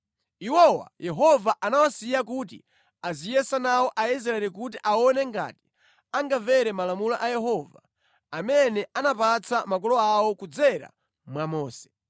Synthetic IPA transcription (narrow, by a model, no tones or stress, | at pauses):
iwɔwa̰jʔɛɦɔvaʔanawasijakut̬ḭ | azijɛsanawɔʔais̬ɾaɛlikut̬iʔaɔnɛŋɡa̰ti̥ | aŋɡavɛɾɛmalamula̰ʔajɛɦɔva | amɛnɛanapat͡samakɔlɔawɔkud͡zɛɾa̰ | mwamɔːsɛ̥